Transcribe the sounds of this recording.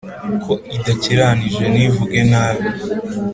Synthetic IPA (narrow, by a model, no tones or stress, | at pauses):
kʰo̞idaciɾaniʒɡe̞nivuɡe̞naːβi